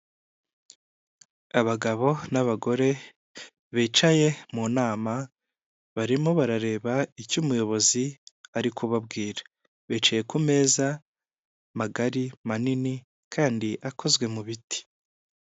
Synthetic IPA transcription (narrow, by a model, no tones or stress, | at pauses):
aβaɡaβo̞naβaɡo̞ɾe̞ | βeːt͡ʃaje̞muːnaːma | βaɾimoβaɾaɾe̞ːβaicumujo̞βo̞ziaɾikʰuβab̚ɡiːɾḁ | βeːt͡ʃaje̞kume̞ːza | maɡaɾimanini | kʰaːndiʔakʰo̞zɡwe̞muβiti̥